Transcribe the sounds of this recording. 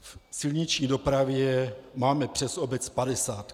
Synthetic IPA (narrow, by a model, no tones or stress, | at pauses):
fsɪlɲit͡ʃɲiːdo̞pɾavjɛmaːmɛpr̥ɛso̞bɛt͡spadɛsaːt̪